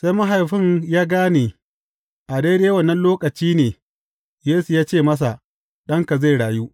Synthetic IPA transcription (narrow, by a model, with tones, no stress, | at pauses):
sa˦jmɐ˦ɦa˨jɸɪ˦ɲjaː˦ɡaː˦neː˨ | ʔa˨deː˦ɾeː˦wɐ˨nːɐ˦nloː˦kʼɐ˨t͡ʃiː˦neː˨ | jeː˦su˨jaː˦t͡ʃeː˦˨mɐ˦s̬a˨ | ɗɐ˦ŋka˨za˦˨jɽaː˨juː˦ʔ